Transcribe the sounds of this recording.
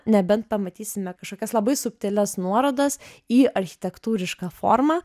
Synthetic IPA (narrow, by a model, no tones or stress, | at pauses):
nʲɛbʲɛnt̪̚pɐmɐt̪ʲiːsʲɪmʲɛkɐʃkoːkʲɛslˠɐbɐɪsʊpʲt̪ʲɛːlʲɛsnuɔɾoːd̪ɐsiːɐɾʲxʲɪ̥t̪ʲɛkt̪uːɾʲɪʃkɑːfo̰ːɾmɑ